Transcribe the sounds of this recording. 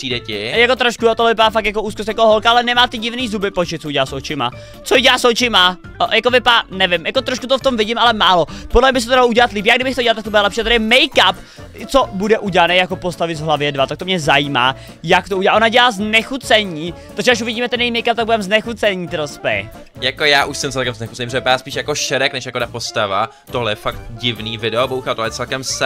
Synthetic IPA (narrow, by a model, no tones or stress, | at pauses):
psiːdɛcɪjakot̪ɾoʃkuat̪oɦlɛvɪpadaːfak̪jakoʔuːskost̪jakooɦolkaʔalɛnɛmaːt̪ɪɟɪvniːzubɪpot͡ʃɪt̪t͡souɟɛlaːsot͡ʃɪma̰ | t͡soɪɟɛlaːsot͡ʃɪma | jakovɪpaanɛvɪmjakot̪ɾoʃkut̪oft̪omvɪɟɪmʔalɛmaːlopodlɛvɲɛbɪs̬ɛt̪odalouɟɛlat̪liːpjaːɡdɪbɪxt̪ouɟɛlalt̪akt̪obudɛlɛpʃiat̪adɾɪmɛjkap | t͡sobudɛʔuɟɛlanɛjakopost̪avɪzɦlavjɛdvat̪ak̚t̪omɲɛzajiːma̰ː | jakt̪ouɟɛlaːʔonaɟɛlaːznɛxut͡sɛɲiːt̪ɾoʒɛaʃ̬uvɪɟiːmɛt̪ɛnjɛimɛjkap̚t̪aɡ̚budɛmznɛxut͡sɛɲiːt̪ɪɾospɛ̰ | jakojaːʔuʃsɛmt͡sɛlkɛmznɛxu̥t͡ssɛnɲːipɾʒɛvɪpaɾaːspiːʃjakoʃɛɾɛknɛʃjakodapost̪ava | t̪oɦlɛjɛfak̚t̪ɟɪvniːvɪdɛobowxat̪oɦlɛjɛt͡sɛlkɛms